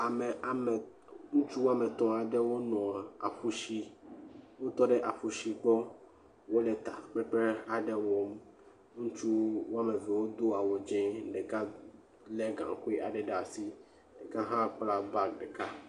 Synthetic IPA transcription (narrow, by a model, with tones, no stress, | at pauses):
a˨mɛ˨a˨mɛ˨ | ŋũ˦t͡ʃu˦wo˦a˦mɛ̃˨t̪ɔ̃˨a˨ɖɛ˦wo˦nɔ̃˨a˨a˨ɸu˨ʃi˦ | wo˦t̪ɔ˦ɖɛ˦ʔa˨ɸu˨ʃi˨ɡ͡bɔ˦ | wo˦lɛ˨t̪a˨k͡pɛ˦k͡pɛ˦a˨ɖɛ˦wɔ˦m | ŋũ˦t͡ʃu˦wo˦a˦me˨vɛ˨wo˦d̪o˦a˨wɔ˨d͡ʒɛ̃˦ɖɛ˨kã˦ | lɛ˦ɡã̰˨ŋ˨ku˦e˦ʔa˨ɖɛ˨ɖa˨si˦ | ɖe˨kã˦ɦã˦k͡pla˦ba˦ɖɛ˨ka˦